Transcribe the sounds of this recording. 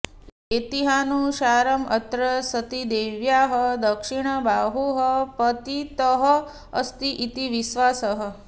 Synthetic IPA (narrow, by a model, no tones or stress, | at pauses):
et̪iɦanuʃaɾəmət̪ɾəsət̪id̪eʋjaɦəd̪əkʂiɳ̃əbaɦuɦəpət̪it̪əɦəː | st̪iʔit̪iʋiʃʋasəɦə